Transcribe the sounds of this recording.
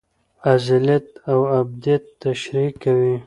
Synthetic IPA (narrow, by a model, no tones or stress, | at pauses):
azɪlat̪awab̚d̪ijat̪ːaʃɾikːawi